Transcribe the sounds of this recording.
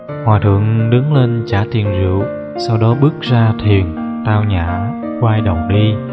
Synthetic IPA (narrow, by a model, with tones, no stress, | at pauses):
hwaː˨˩t̪ʰɨ̰˧˨əŋɗɨ˨˦ŋle˧nt͡ɕaː˧˩t̪i˨˩ənzḭ˧˩əw | sa˧wɗɔ˨˦ɓɨ˦˥ək̚zaː˧t̪ʰi˨˩ənt̪aː˧wɲa̰ː˧˩ | kwaː˧jɗə˨˩wŋ͡mɗi˧